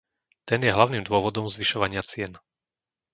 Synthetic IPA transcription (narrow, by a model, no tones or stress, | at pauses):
t̪ɛnjɛɦlaʊniːmd̪ʊɔʋɔd̪ɔmzʋiʃɔʋaɲɪat͡sɪɛn